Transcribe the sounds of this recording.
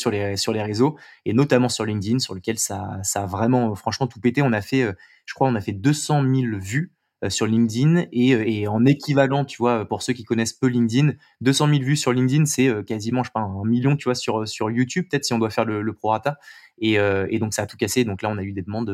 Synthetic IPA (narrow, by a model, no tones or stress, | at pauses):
syʁlesyʁleʁezoenɔt̪amɑ̃syʁlĩŋd̪insyʁləkʲɛlsasaːvʁɛmɑ̃øfχɑ̃ʃmɑ̃t̪upet̪eɔ̃nafɛø | ʒə̥kχwaɔ̃nafɛd̪øsɑ̃milvy | syʁlĩŋd̪ineøeɑ̃nekʲʰivalɑ̃t̪ʰyvwaøpuʁsøkʲikɔnɛspølĩŋd̪in | d̪øsɑ̃milvysyʁlĩŋd̪insɛøkazimɑ̃ʃpaɛ̃ɛ̃miljɔ̃t̪yvwasyʁøsyʁjut̪ybpːət̪ɛt̪χsiɔ̃d̪wafɛʁlələpχoʁat̪a | eøed̪ɔ̃ksaːt̪u̥kased̪ɔ̃klaɔ̃nayd̪ed̪əmɑ̃d̪